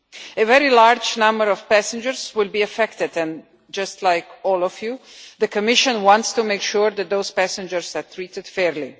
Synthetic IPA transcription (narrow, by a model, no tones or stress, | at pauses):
ɨvɛɹilaɹd͡ʒnʌ̃mbəɹɔv̥pæsɨ̃nd͡ʒəɹzwɪlˠbiɨfɛkt̪ɨdɨ̃n | d͡ʒʌstʰlaɪkɔlˠɔvjuðɨkʰɨmɪʃə̃nwɑ̃ntstumeɪkʃuɹðæt̪̚ðoʊz̥pæsɨ̃nd͡ʒəɹz̥ət̪ʰɹitɨd̥fɛɹli